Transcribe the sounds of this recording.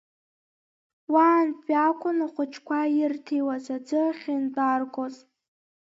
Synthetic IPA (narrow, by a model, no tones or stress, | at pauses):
waːnbʲʼakʷʰʼʊnaχʷʊt͡ʃʰkʷʰajɪrtʰejwazad͡zɨχʲindʼarɡʷʼozʼ